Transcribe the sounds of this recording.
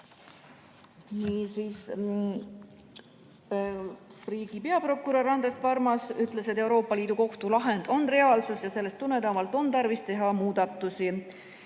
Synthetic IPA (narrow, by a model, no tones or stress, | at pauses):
niːsiːs | riːɡ̥ipe̞ɑpro̞kːˑuɾɑrːɑnd̪e̞st̪̚pɑrmɑsyt̪ˑle̞set̪ːˑe̞uɾo̞ːpːˑɑliːd̪̥uko̞ht̪ulɑɦe̞nd̪̥o̞nre̞ɑːlsusjɑse̞lːe̞st̪ːunːe̞t̪ɑmɑlt̪ːˑo̞nt̪ɑrvist̪e̞ɦɑmuːd̪̥ɑt̪ːˑusi